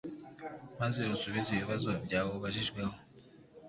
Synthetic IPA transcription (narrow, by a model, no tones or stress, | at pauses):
mazeɾusuβiziβiβazo̞bɟaːβuβaʒiʒɡwe̞ho